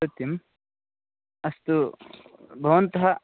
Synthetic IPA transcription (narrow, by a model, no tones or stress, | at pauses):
ɐt̪im | ɐst̪u | bʱɐʋɐnt̪ɐɦɐ